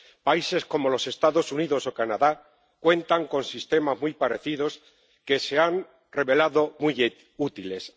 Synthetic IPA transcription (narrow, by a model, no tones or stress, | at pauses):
paise̞sko̞mo̞lo̞se̞st̪aðo̞suniðo̞so̞kanaða | kwe̞nt̪aŋko̞nsist̪e̞mazmujpaɾe̞θiðo̞s | ke̞se̞an | re̞βe̞laðo̞mu | ut̪ile̞s